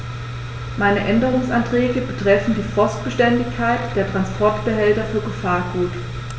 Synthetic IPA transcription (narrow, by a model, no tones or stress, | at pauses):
maɪnəʔɛndəʁ̞ʊŋsantʁ̥ɛːɡəbətʁ̥ɛfn̩diːfɔɐst̚b̥əʃtɛndɪçkʰːaɪtd̥eːɐtʁ̥anspʰɔɐtb̥əɦɛltɐfyːɐɡəfaːɐɡuːt